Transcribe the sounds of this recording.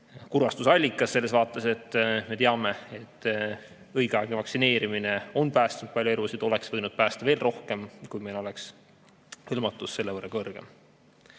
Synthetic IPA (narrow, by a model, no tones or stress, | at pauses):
kurvɑst̪usɑlʲːikːˑɑsːe̞lːe̞svɑːt̪ːˑɑse̞t̪ːme̞t̪eɑme̞et̪ːˑ | ɤjɡ̥ɑjɡ̥ivɑksine̞ːɾimine̞o̞npæːst̪unud̪̥̚pɑljoelusid̪̥o̞le̞ksvɤjnud̪̥̚pæːst̪ɑve̞ːlro̞hke̞mkujmelo̞le̞ks | hɯlmɑt̪ːˑusːe̞lːevɤrːɑkɤrɡ̥em